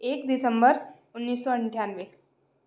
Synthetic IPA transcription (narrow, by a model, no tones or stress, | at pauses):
ekd̪isəmbəɾ | unːiːsːɔəɳʈʰjanʋe